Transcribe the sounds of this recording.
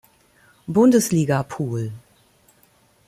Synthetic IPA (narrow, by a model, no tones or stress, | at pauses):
bʊndəsliːɡapʰuːl